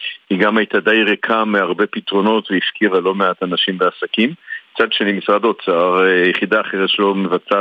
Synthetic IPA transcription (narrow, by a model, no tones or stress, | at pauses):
hiɡamajtad̪ejʁekʰamːeaʁbe̞pitʁo̞no̞tveifkivalo̞meat̪anaʃimbeasakimt͡sad̪ʃenimisʁado̞t͡saʁjeχid̪aːχeʁet̪ʃelomevat͡sa